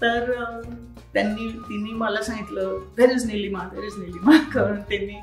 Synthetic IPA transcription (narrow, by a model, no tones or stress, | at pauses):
t̪əɾ | t̪janːiːt̪inːiːməlasãŋɡit̪ləːd̪eɾid͡zniliːmad̪eɾid͡zniliːmakəɾəɳt̪janːiː